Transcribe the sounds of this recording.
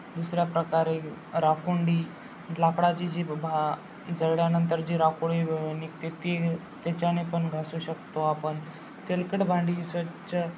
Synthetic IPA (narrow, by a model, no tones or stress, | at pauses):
d̪usɾjapɾəkaɾeɾakuɳɖiː | lakɽat͡ɕid͡ʑibʱa | d͡zəɽjanənt̪əɾd͡ʑiːɾakuɽinikt̪et̪e | t̪et͡ɕanepəɳɡʱasuɕəkt̪oapəɳ | t̪elkəʈbʱãɳɖiisət͡ɕə